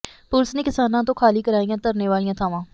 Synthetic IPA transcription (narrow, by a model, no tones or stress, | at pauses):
pʊlsneːkɪsaːnãːt̪õːkʰaːliːkəɾaːijãːt̪əɾneːʋaːlijãːt̪ʰaːʋãː